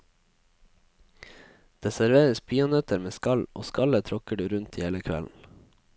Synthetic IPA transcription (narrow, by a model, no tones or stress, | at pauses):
d̪̥eːsæɾʋeːɾəsbiːʊnɛt̪əɾmeːskɑlʔo̰ːskɑlət̪ʰɾɔkəɖʉːɾʉnt̪iːheːləkʰʋɛ̰ln̩